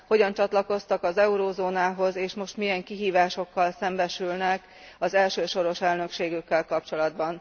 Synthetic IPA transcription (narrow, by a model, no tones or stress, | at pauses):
ho̞ɟɒnt͡ʃɒt̪lɒko̞st̪ɒkɒzɛuɾoːzoːnaːɦo̞zeːʃmo̞ʃt̪mijɛŋkiɦiːvaːʃo̞kːɒlsɛmbɛʃylnɛk | ɒzɛlʃøːʃo̞ɾo̞ʃɛlnø̞kʃeːɡykːɛlkɒp̚t͡ʃo̞lɒd̪bɒn